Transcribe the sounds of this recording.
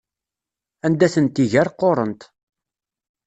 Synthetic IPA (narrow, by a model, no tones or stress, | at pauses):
ænd̪æθənt̪iʝæɾqːoɾˤənt̪